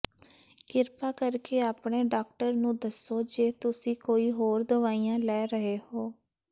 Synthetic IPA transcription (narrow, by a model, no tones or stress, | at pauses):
kɪɾpaːkəɾkeːaːpɳeːɖaːk̚ʈəɾnũːd̪əsːoːd͡ʒeːt̪ʊsĩːkoːiːɦoːɾd̪əʋaːijãːlɛːɾəɦeːhoː